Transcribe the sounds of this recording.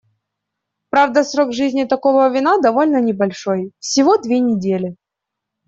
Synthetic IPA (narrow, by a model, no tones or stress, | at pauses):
pɾavd̪əsɾo̞ɡʐɨzʲnʲɪt̪ɐko̞vəvʲɪnad̪ɐvo̞lʲnənʲɪbɐlʲʂo̞jfsʲɪvo̞d̪vʲenʲɪdʲelʲɪ